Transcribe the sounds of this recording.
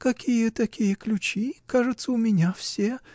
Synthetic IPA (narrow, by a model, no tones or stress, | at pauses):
kɐkʲijət̪ɐkʲijəklʲʉt͡ɕikaʐɨt̪səʊmʲɪnʲafsʲe